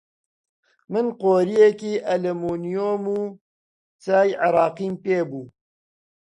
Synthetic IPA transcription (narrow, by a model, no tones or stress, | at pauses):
mɨnqoːɾijekiːʔɐlemoːnijoːmuː | t͡saːjʕɪɾɑːqiːmpeːbuː